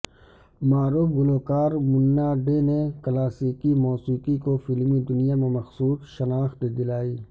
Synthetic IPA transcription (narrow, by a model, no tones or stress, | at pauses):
maːɾuːfɡʊloːkaːɾmʊnːaːɖeneklaːsiːkimɔːsiːkikofɪlmid̪ʊnijamẽmɐxsuːsʃɐnaːxt̪d̪ɪlaːiː